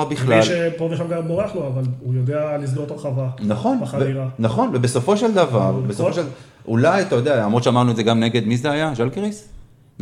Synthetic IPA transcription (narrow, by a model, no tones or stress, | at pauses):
abiχlalʃepoveʃamɡamoʁeχloavalujod̪ealis̬ɡot̪aʁχavanaχo̞naaviʁanaχo̞nvebe̞so̞fo̞ʃe̞ld̪avaʁbesofoʃel | ʔulajat̪ajod̪eaamʁott͡ʃʃeamaʁnuedzeɡamneɡe̞d̪mizeajaʒalkʁis